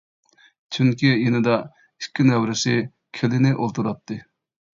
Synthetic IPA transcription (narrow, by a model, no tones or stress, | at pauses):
t͡ʃʰyŋkʲijenɪd̪ɑ | i̥kʲʰːinɛwɾɪsɪ | kʲʰelɪnɪʔolˠt̪ʰuɾɑt̪ʰːɨ